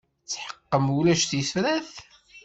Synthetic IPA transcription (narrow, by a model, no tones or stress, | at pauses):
t͡sːħə̥qːəmulæʃθisɾæθ